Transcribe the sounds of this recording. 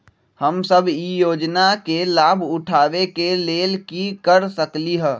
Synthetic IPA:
həmsəbʱijoːd͡ʒnakelaːbʱʊʈʰaːʋekeleːlkikəɾsəkliɦɛ̃ː

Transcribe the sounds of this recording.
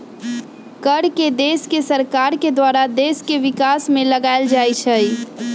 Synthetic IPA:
kəɽked̪eːskesəɾkaːɾked̪waːɾad̪eːskeʋɪkaːsmẽləɡaeld͡ʒaːit͡ʃʰəi

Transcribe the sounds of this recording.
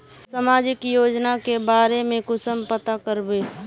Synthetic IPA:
səmaːd͡ʒɪkjoːd͡ʒnakebaːɾemẽkʊsəmpət̪akəɾbeː

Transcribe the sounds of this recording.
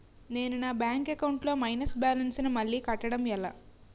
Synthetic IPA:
ne̞ːnunaːbjaːŋkekɐwɳʈlo̞ːmɐjnɐsbaːlɐnsinɐmɐɭːiːkɐʈːɐɽɐmɛla̰ː

